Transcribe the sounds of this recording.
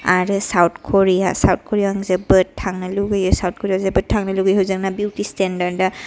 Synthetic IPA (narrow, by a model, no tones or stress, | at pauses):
aɾɯsawt̚ʰkʰoɾijasawt̚kʰɔɾijaŋzebɯtʰːaŋnaluɡɯjɯsawt̚kʰɔɾijazebɯtʰːaŋnɯluɡɯjhɯwzɯŋnabuwtistendaɾda